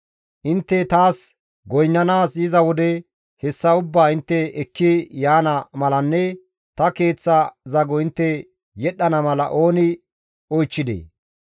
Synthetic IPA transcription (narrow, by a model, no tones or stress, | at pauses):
ʔɪnt̪ːɛt̪aːs | ɡɔjnːɐnaːsɪzɐwɔd̪ɛ | hɛsːɐʊbːaːɪnt̪ːɛɛkːɪjaːnɐmɐlɐnːɛ | t̪ɐke̞ːt͡sːɐzɐɡɔɪnt̪ːɛ | jɛɗːɐnɐmɐlɐ̰ʔo̞ːnɪ | ɔjt͡ʃːɪd̪ḛː